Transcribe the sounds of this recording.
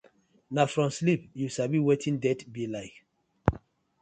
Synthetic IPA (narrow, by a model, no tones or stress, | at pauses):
nafɹɔ̃mslip̚jusabiwetʰĩndɛtbilaɪk